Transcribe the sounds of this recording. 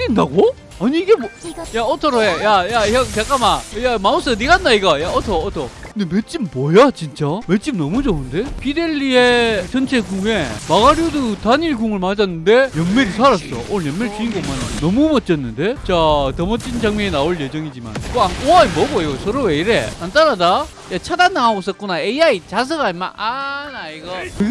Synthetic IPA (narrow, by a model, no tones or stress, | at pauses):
inːaɡo | aɲiːɡemojaotʰʌɾoejajajʌt͡ɕak͈amajamauns͈ʌniɡanːaiɡajaotʰʌːtʰokkɯndeme̞t̚t͡ɕ͈imːwʌjat͡ɕint͡ɕ͈ame̞t̚t͡ɕ͈imnʌmud͡ʑounde̞pʰide̞ɭːiet͡ɕʌnt͡ɕʰekuŋe̞maɡaɾjodutaɲiɭɡuŋɯɭmad͡ʑanːɯnde̞jʌnmeɾisʰaɾas͈ʌ̰ʔojʌmmeɾit͡ɕiinɡʌmanannʌmumʌt̚t͡ɕ͈ʌnːɯnde̞t͡ɕatʌmʌt͡ɕ͈ind͡ʑaŋmeinaoɭjed͡ʑʌŋid͡ʑima̰nkoaŋoaimʌbʌjosʰʌɾoweiɾḛant͈aɾada | jat͡ɕʰadandaŋaos͈ʌt̚k͈unaeiait͡ɕas̬ʰɯɡama̰anaiɡakɯɡ